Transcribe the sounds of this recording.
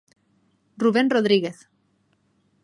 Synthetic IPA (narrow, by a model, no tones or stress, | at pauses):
ruβ̞enroð̞ɾiɣeθ